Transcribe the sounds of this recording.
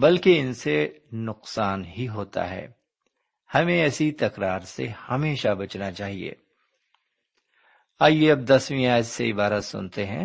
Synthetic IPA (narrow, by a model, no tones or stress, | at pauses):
bɐlkeɪnsenʊqsaːnɦiɦoːt̪a̰ɦɛ̰ː | hɐmẽɛːsit̪ɐkɾaːɾsḛhɐmeːʃabɐt͡ʃnat͡ʃaːɦiḛː | aːijeɐb̚d̪ɐswĩaːjd͡ʒseɪbaːɾəsʊ̰̃nt̪eɦɛ̃ː